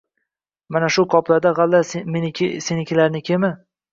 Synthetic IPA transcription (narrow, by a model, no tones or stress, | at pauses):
manaʃʊkʰɒplad̪aʁalːamenɪkʰʲɪsenɪkʰʲɪlaɾnɪkʲʰemɪ